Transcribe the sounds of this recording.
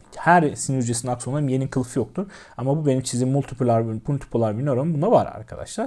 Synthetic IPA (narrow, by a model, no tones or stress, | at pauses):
hæɾsiniɾyd͡ʒesinaksoaɾimje̞ninkʰɯlˠfɯjok̚t̪ʰuɾ | amabubenimt͡ʃʰizimːulʲˠt̪ʰipulʲˠaɾmulʲt̪ʰi̥pʰulʲˠaɾbilʲijoɾombunavaɾa̰ɾkʰa̰d̪a̰ʃlˠaɾ